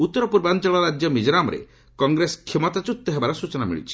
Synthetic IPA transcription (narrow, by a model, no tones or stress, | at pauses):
ut̪ːɔɾɔpuɾbant͡ʃɔɭɔɾad͡ʒjɔmid͡ʒɔɾamɔɾḛ | kɔŋɡɾesɔ̥kʰːemɔt̪at͡ʃut̪ːɔɦebaɾɔsut͡ʃɔnamḭɭḭt͡ʃʰi̥